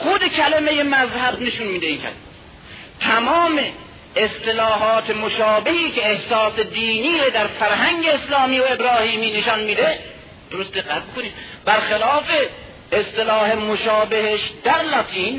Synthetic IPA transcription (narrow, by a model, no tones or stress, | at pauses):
xod̪ekʰælemejemæzhæb̚neʃunmiːd̪eiːnkʰæ̰l | t̪ʰæmɒːmeː | st̪elɒːɦɒːt̪ʰemoʃɒːbehiːkeːhsɒːsed̪iːniːɾod̪æɾfæɾhæŋɟeeslɒːmiːoebɾɒːhiːmiːneʃɒnmiːd̪e | d̪̥oɾost̪d̪eqːæt̪̚bokoniːmbæɾxelɒːfeː | st̪elɒːhemoʃɒːbeheʃd̪æɾlɒt̪ʰiːn